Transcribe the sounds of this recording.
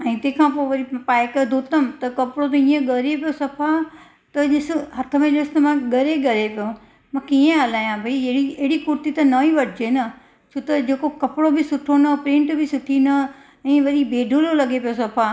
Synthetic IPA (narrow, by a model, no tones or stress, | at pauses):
ɛ̃ːt̪ẽːkʰãːpoːʋɐɾipaːɪkd̪ʱoːt̪əmt̪ɐkɐpɽot̪ẽĩːẽɡɐɾepijosɐpʰa | t̪ɐʄɪsɪɦɐt̪ʰəmẽlest̪ɐmãɡɐɾeɡɐɾepijo | mãkʰiːẽɦɐlaːjãbʱaiɐɦɽieɦɪɽikʊɾt̪it̪ɐnɐiʋɐʈʰɪd͡ʑeːnɐ | t͡ʃʰut̪ɐd͡ʑeːkokɐpɽobʱɪsʊʈʰonɐpɾẽːɳʈbɪsʊʈʰinɐ | ɛ̃ːʋɐɾibeːɖʱololɐɠepijosɐpʰa